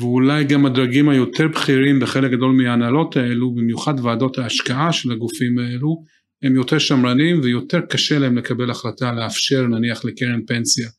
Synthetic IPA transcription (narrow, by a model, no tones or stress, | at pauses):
veulajɡamad̪ʁaɡimhajo̞teʁbχiʁimbeχe̞lek̚ɡado̞lmeaːnalo̞tae̞lubimjuχadvaːdo̞thaːʃkaʔaʃe̞laɡufimae̞lu | hemjo̞teʁʃamʁanimvejo̞te̞ʁkaʃe̞laemle̞kabe̞laχlataleafʃe̞ʁnaniaχlekeʁenpe̞nsja